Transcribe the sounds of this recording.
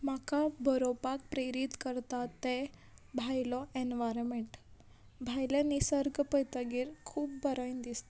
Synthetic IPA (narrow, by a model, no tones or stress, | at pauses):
makabʱəɾopak̚pɾeɾit̪kəɾt̪at̪ːe | bʱajlɔenʋaɾmeɳʈ | bʱajlənisəɾɡəpəjt̪aɡiːɾkʰuːpbəɾajnd̪ist̪